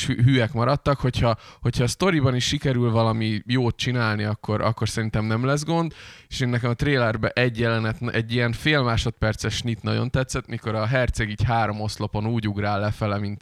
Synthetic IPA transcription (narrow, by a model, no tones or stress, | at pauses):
ɦyɛkmɒɾɒt̪ːɒkho̞chɒho̞cʰhɒːst̪o̞ɾibɒniʃːikɛɾylvɒlɒmijoːt̪̚t͡ʃinaːlniɒkːo̞ɾɒ̰kːo̞rsɛɾint̪ɛmnɛmlɛzɡo̞nd̪eʃeːnːɛkɛmɒt̪reːlɛrbɛʔɛɟjɛlɛnɛt̪nɛɟːijɛnfeːlmaːʃo̞t̪̚pɛrt̪sɛʃnit̪nɒ̰ɟo̞̰nt̪ɛt̪sɛt̪miko̞ɾɒɦɛrt̪sɛɡiːchaːɾo̞mo̞slo̞po̞nuːɟuɡraːlːɛfɛlɛmint̪